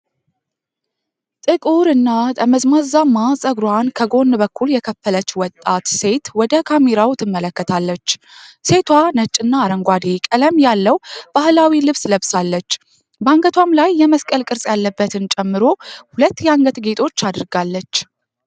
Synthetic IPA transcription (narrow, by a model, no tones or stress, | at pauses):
t̪ʼɨkʼuɾɨnːat̪ʼəməzmazamasʼəɡɾwankʰəɡo̞nːbəkːuljɛkʰəfːələt͡ʃːwɔt̪ʼːat̪se̞t̪wɔd̪əkʰameɾawt̪ʰɨmːələkːət̪ʰalːət͡ʃː | se̞t̪ʰwanət͡ʃʼːɨnːaːɾəŋɡʷad̪ekʼələmjalːəwb̥ahlawilɨβsləβsalːət͡ʃː | bəaŋɡət̪ʰwamlajːɛməskʼəlkʼɨɾsʼjalːəbːət̪ʰɨnt͡ʃʼɛmːɨɾo̞hulət̪ːjɛaŋɡət̪ɡet̪ʰʼo̞t͡ʃːad̪ɨɾɡalːət͡ʃː